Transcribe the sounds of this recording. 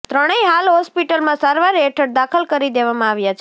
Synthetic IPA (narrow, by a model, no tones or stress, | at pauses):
t̪ɾəɽ̃eiɦalɦɔspiʈəlmãsaɾʋaɾeʈʰəɽ̚d̪akʰəlkəɾid̪eʋamãaʋjat͡ʃʰ